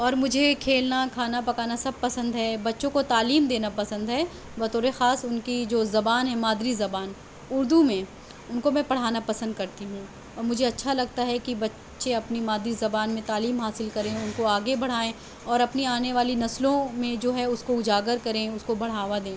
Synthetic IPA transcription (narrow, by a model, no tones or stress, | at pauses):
ɔːɾmʊd͡ʒʱekʰeːlnakʰaːnapɐkaːnasɐb̚pɐsə̃nd̪ɦɛbɐtːʃõkot̪aːliːmd̪eːnapɐsə̃nd̪ɦɛ | bɐt̪ʰoːɾexaːsʊnkid͡ʒoːzɐbaːnɦɛ̃maːd̪ɾizɐbaːn | ʊɾd̪umẽ | ʊnkomɛ̃pɐɽ̤aːnapɐsə̃nd̪̚kɐɾt̪iɦũː | ɔːɾmʊd͡ʒʱeɐtːʃʰalɐɡ̚t̪aɦɛkibɐtː | ʃeɐpnimaːd̪ɾizɐbaːnmẽt̪aːliːmɦaːsɪlkɐɾẽʊnkoaːɡebɐɽ̤aːẽ | ɔːɾɐpniaːneʋaːlinɐslõmẽd͡ʒoːɦɛʊskoʊd͡ʒaːɡəɾkɐɾẽʊskobɐɽ̤aːʋad̪ẽː